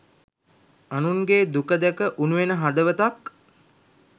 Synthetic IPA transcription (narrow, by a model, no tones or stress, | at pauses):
anuŋɡeːd̪ukəd̪ækəʔunuʋenəɦad̪əʋət̪ak